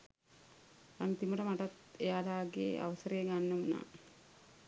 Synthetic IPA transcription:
aŋt̪iməʈəmaʈat̪ejaːlaːɡḛːa̰ʋəsəɾeːɡanːəmuna̰ː

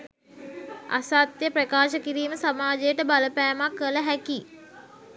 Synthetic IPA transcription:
a̰saːt̪jəpɾəkaːʃəkiɾiːməsamaːd͡ʒejəʈəbaləpæːmakːələɦæki

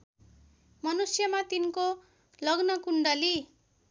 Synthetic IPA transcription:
mʌnusjʌmat̪inko | lʌɡnʌkuɳɖʌli

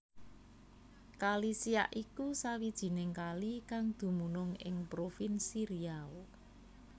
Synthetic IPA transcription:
kalisia̰ʔikusawid̥ʒ̥i̤nɪŋkalikaŋd̪̥ṳmunʊŋɪ̰ŋpɾofinsiɾiao

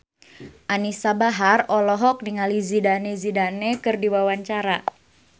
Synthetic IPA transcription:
ʔanisabaɦarɔlɔɦɔk̚niŋalizidanezidanekɨrdiwawaɲt͡ʃaɾa

